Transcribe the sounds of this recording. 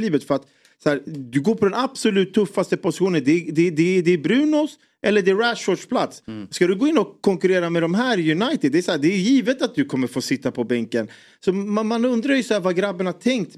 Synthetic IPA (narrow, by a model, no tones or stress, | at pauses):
liːvət̪fœɾat̪ | shæːɾd̪ɵɡoːɾpʰɔd̪ɛnab̥sɔlʉ̟ːt̪ʰːɵfːast̪əpʊsɪ̥ɧuːnənd̪ɛd̪ɛd̪ɛd̪ɛːbɾʉ̟ːnʊs | ʔɛlːəɖɛæɾæʂɔɖʂpʰlat̪sskad̪ɵɡoːɪnːɔkʰːɔŋkɵɾeːɾamɛd̪ɔmɦæːɾjɵnajt̪ɪd̪ːɛæsæːɖ̪ɛːjiːvət̪at̪̚d̪ɵkʰɔmːəɾfoːsɪt̪ːapʰɔbɛŋkən | sɔmamanɵnd̪ɾajɵsahæːɾvaɡɾabːənahat̪ʰɛŋk̚t̪